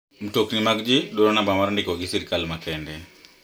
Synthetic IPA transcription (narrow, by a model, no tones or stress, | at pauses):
m̩toknimaɡd͡ʒɪɗoɾonabamaɾndɪkɔɡɪsiɾkalmakɛndɛ